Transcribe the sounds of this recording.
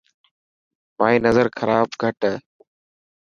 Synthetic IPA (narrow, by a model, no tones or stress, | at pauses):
pãːĩːnəzəɾkʰəɾaːbɡʱəʈ